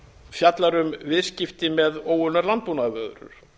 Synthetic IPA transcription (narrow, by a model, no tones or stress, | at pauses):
fjat̪laɾʏmvɪðscɪft̪ɪmɛðoːwʏnaɾlant̪punavœðɾʏ̰ɾ̥